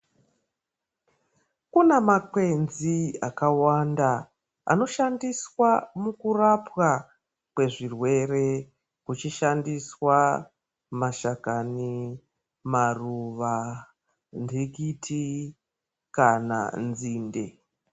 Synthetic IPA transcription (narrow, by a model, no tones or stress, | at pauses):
kunemakwe̞nziakawanda | a̰no̞ʃandiswamukurapwa | kwe̞ʐirwe̞re̞ | kut͡ʃiʃandiswa | maʃakani | maruʋa | ndiɡitʰi | kana̰nziːnde̞